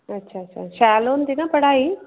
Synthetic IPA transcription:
ɐtːʃʰaɐt͡ʃːʃʰa̰ʃaːloːnd̪inaːpɐɽaːji

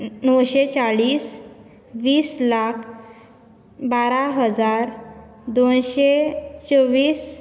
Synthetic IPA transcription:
nəwɕet͡saɭiːs | ʋiːslakʰ | baɾaɦəd͡zaɾ | d̪onɕet͡səʋiːs

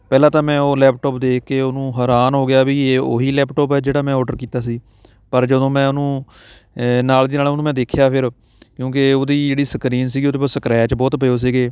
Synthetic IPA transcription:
pɛːlãːt̪ãːmɛ̃ːoːlɛːp̚ʈɔːpd̪eːkːeːoːnũːɦəːɾaːnɦoːɡɪjaːbiːeːoːɦiːlɛːpʈɔːpɛːd͡ʒeːɽaːmɛ̃ːɔːɖəɾkiːt̪aːs̬iː | pəɾd͡ʒəd̪õːmɛ̃ːʊnũː | naːld̪iːnaːlːnũːmɛ̃ːd̪eːkʰjaːpʰɪɾ | kjõːkeoːd̪iːd͡ʒeːɽiːsəkɾiːnsiːɡioːd̪eːpsəkɾɛːt͡ʃbɔːt̪pəjoːs̬iːɡeː

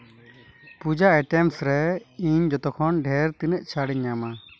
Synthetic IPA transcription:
pud͡ʒaɛʈɛmsɾɛiɲd͡ʒɔt̪ɔkʰɔnɖʱɛɾt̪inɛʔ̚t͡ʃʰaɽiɲːama

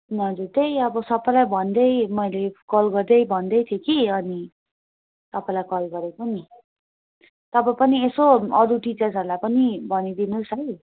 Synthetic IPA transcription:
nʌd͡zuɾt̪ejʌbʌsʌpːʌ̃lajbʱʌnd̪ʌjmʌjlekʌlɡʌrd̪ʌjbʱʌnd̪ʌjt̪ʰjekiʌni | t̪ʌpailajkʌlɡʌɾekʌni | t̪ʌpãpʌniesoʌɾuʈit͡sʌrd͡zʌɾlajpʌnibʱʌnid̪inusʌj

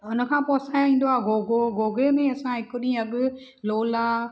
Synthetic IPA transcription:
ɦʊnə̆kʰãːpɔːsajĩːnd̪oaːɡoːɡoɡoːɡemẽɐsãɦɪkʊɗĩːɐɡʊ | loːlaː

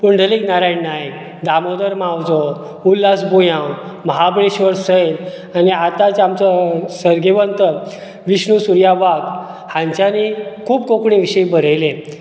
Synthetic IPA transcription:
puɳɖʱəliːknaɾajɳnaj | d̪amod̪əɾmawd͡zo | ulːasbujãwməɦabɭeɕʋəɾsəl | aniat̪at͡samt͡ɕasəɾɡeʋənt̪ə | ʋiɕɳusuɾjaʋak | hãɲt͡ɕjanikʰuːbkokɳĩʋiɕəibəɾ̤əjlẽ

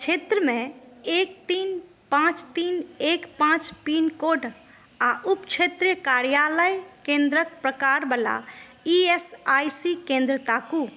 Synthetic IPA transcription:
t͡ʃʰet̪ɾəmẽekt̪in | pãt͡ʃt̪inekpãt͡ʃpinkoɖ | aʔupt͡ʃʰet̪ɾjkaɾijaləjkẽnd̪ɾək̚pɾəkaɾbəla̰ | iesajsikẽnd̪ɾət̪aku

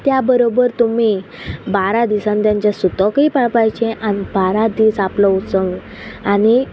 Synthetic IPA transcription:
t̪jabəɾobəɾt̪um̤i | baɾad̪isãnt̪jãɲt͡ɕjasut̪ɔkipaɭpajt͡ɕẽʔañibaɾad̪iːsaplɔut͡səʋ | ani

